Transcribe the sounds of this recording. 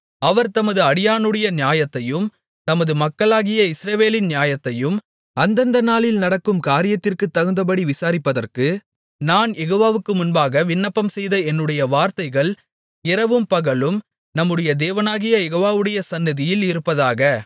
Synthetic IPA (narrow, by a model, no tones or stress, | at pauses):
ɐʋɐɾt̪ɐmɐðɯɐɽɪjaːnɯɽɐjɐnɪjaːjɐt̪ːɐjɯm | t̪ɐmɐðɯmɐkːɐɭaːɣɪjɐɪsɾɐʋeːlɪnnjaːjɐt̪ːɐjɯm | ʔɐnd̪ɐnd̪ɐnaːlɪlnɐɽɐkːɯmkaːɾɪjɐt̪ːɪrkɯt̪ːɐɣɯnd̪ɐpɐɽiʋɪsaːɾɪpːɐðɐrkɯ | naːnjɛɣoːʋaːʋɯkːɯmʊnbaːɣɐʋɪnːɐpːɐmsɛjðɐɛnːɯɽɐjɐʋaːɾt̪ɐɪɣɐɭ | ɪɾɐʋɯmpɐɣɐɭɯm | nɐmːɯɽɐjɐd̪eːʋɐnaːɣɪjɐjɛɣoːʋaːʋɯɽɐjɐsɐnːɪðɪjɪlɪɾɯpːɐðaːɣɐ